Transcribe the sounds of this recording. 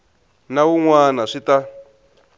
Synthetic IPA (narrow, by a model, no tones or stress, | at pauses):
nawuŋwanaʂita